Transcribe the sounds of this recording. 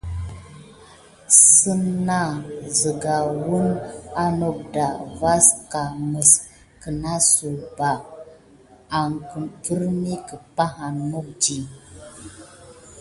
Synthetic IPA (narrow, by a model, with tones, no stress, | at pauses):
sə˦na˦zə˨ɡa˨wu˦na˦no˦k̚da˨va˦ska˨mə˨s | kə˨na˦su˨ba˨ | a˨ŋkki˦ɾmi˦kə˨pa˦ɦa˨no˦k̚d͡ʒi˦